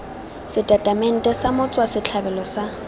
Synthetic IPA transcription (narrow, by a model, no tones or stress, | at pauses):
sɪtʼatʼamɛn̩tʼɛsamʊt͡sʼwasɪt͡ɬʰabɛlɔsa